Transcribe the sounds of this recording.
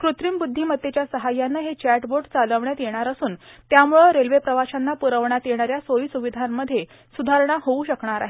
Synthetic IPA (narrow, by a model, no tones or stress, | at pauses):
kɾut̪ɾiːmbud̪ʱːimət̪ːjet͡ɕjasəɦajːanːaɦet͡ɕæʈboɖt͡saləʋɳjat̪jeɽ̃aɾəsuːnt̪jamuɭəɾelʋepɾəʋaɕanːapuɾəʋɳjat̪jeɽ̃aɾjasoisuʋid̪ʱamːəd̪ʱːje | sud̪ʱaɾɳ̃aɦouɕəkɳaɾa̰ɦe